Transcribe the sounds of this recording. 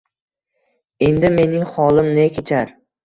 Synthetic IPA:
e̞nd̪ɪme̞nɪŋχɒlˠɪmnɪkʲʰet͡ʃʰaɾ

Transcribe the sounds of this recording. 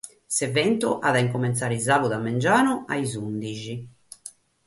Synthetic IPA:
sɛvɛnt̪uʔaðaiŋkomɛnt̪saːɾizaːβuðamːɛnd͡ʒaːnua̰izund̪id͡ʒi

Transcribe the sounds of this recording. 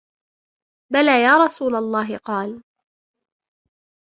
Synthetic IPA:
balaːjaːɾˤɑsuːlalˤːɑːɦɪqɑːl

